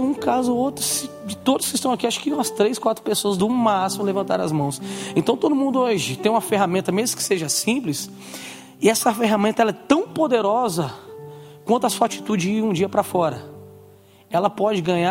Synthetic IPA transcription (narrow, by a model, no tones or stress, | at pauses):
ũkazʊot̪ɾʊsɪd͡ʒɪt̪od̪ʊskɪst̪ɐ̃w̃akiaʃʊ̥kɪnɔ̃ɐst̪ɾejskwat̪ɾʊpesoɐzd̪ʊmasimʊlevɐ̃nt̪a̰ɾɐ̰zmɐ̃w̃sẽt̪ɐ̃w̃t̪od̪ʊmũnd̪ʊoʒɪt̪ẽj̃ũmɐfeɦamẽnt̪ɐmezmʊ̥kɪ̥seʒɐsĩplɪs | ɪɛsɐfeɦamẽnt̪ɐɛlɛt̪ɐ̃w̃pod̪eɾɔzɐ | kwɐ̃nt̪ʊasuat͡ʃi̥t̪ud͡ʒɪziũd͡ʒiɐpɾɐfɔɾɐ | ɛlɐpɔd͡ʒɪɡɐ̃ɲa